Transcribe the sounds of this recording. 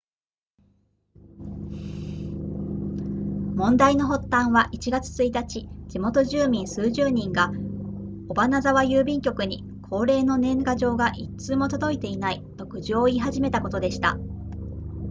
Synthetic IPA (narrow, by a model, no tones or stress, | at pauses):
mõ̞nd̪aino̞ɦo̞t̪ːãɰ̃βaʔit͡ɕiɡat͡sɨ̥t͡sɨit̪at͡ɕid͡ʑimo̞t̪o̞ʑɨːmʲĩɰ̃sɨːʑɨːɲ̟ĩŋɡa | o̞banazaβajɯːbʲĩŋkʲo̞kɯ̟ɲ̟ḭ | kʰo̞ːɾe̞ːno̞nẽ̞ŋɡaʑo̞ːɡaʔitt͡sɨːmo̞t̪o̞d̪o̞it̪e̞inait̪o̞kɯ̟ʑio̞iɦaʑime̞t̪ako̞t̪o̞d̪e̞ɕi̥t̪a̰